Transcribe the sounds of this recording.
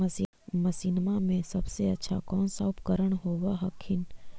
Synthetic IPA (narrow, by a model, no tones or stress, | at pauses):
məsinmamẽsɐbseɐtːʃʰa̰kɔːnsaʊpkəɾəɽ̃ɦoːʋaɦɐkʰːɪn